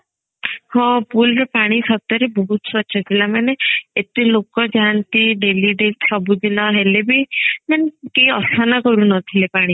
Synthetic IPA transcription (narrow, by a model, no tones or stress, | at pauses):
hɔ̃pulɾɔpaɽ̃isɔt̪ɔɾebɔɦut̪swɔtːʃʰɔt̪ʰilamaneet̪ilokɔd͡ʒant̪iɖeliɖelsɔbud̪inɔɦelebimanekejɔsanakɔɾunɔt̪ʰilepaɽ̃i